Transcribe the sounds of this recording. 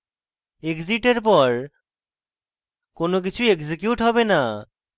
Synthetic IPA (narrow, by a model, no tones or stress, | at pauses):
ekziʈeɾp̬ɔɾ | konok̬it͡ɕʰueksekjuʈɦɔbena